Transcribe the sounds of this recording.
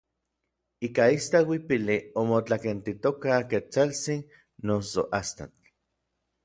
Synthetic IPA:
ikaist̪awipiliomot͡ɬakent̪it̪okaket͡salt͡sinː | osoʔast̪a̰t͡ɬ

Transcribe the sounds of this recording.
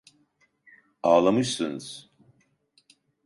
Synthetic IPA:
aːlˠamɯʃsɨnz̥

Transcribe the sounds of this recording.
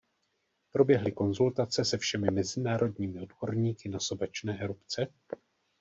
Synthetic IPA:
pɾo̞bjɛɦlɪko̞nzult̪at͡sɛsɛfʃɛmɪmɛzɪnaːɾʔo̞dɲiːmɪo̞dbo̞ɾɲiːkɪnasobɛt͡ʃnɛːʔɛɾupt͡sɛ

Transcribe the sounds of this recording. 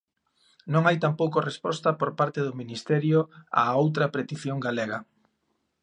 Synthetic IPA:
nõŋajt̪ampowkorespɔst̪ɐpoɾpaɾt̪eðʊminist̪ɛɾjʊa̰owt̪ɾɐpɾet̪iθjoŋɡaleɣɐ

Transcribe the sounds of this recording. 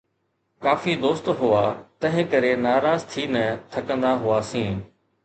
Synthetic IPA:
kaːfiːd̪oːst̪ɦʊaːt̪ɐ̃ɦɪ̃kəɾenaːɾaːzt̪ʰiːnət̪ʰɐkə̃nd̪aɦʊaːsĩː

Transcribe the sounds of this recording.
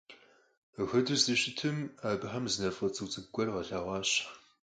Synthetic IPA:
əxɐdɨsdɨʃɪtʰɨmaːbħamzɨnɐrfɐt͡sʼɨwt͡sʼɨɡɡʷɔrʁɐɬaːʁʷɑːɕ

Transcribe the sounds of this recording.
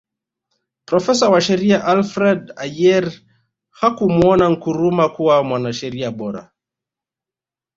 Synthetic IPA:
pɾɔfɛsawaʃɛɾiaʔalfɾɛdajɛɾ | hakumuɔnaŋ̩kuɾumakuwamwanaʃɛɾiaɓɔɾa̰

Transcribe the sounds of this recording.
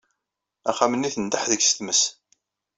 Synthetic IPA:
æχæmənːiθənd̪aħðəçsəθməs

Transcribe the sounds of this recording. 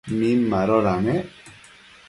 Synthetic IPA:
minmaɾɔɾame

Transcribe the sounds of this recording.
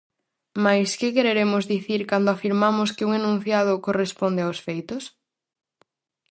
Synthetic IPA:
majskɪkeɾeɾemʊzðiθiɾkand̪ʊafiɾmamʊskɪuŋenũn̟θjað̞ʊkorespond̪eawsfejt̪ʊs

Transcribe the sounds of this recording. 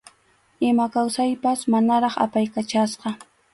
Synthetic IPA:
ɪmakawsajpasmanaɾɑχa̰pajkat͡ʃasqɑ

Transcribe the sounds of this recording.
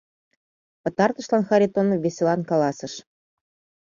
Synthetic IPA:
pɤ̆t̪ɑrt̪ɤ̆ʃlɑnxɑɾʲit̪onvʲesʲelɑnkɑlɑsɤ̆ʃ

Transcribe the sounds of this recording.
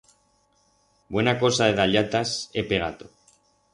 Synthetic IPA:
bwe̞nako̞saðe̞ðaʎat̪asepe̞ɣa̰t̪o

